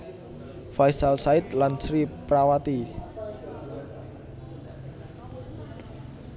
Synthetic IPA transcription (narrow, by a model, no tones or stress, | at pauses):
fajsalsaɪt̪lansɾipɾawat̪i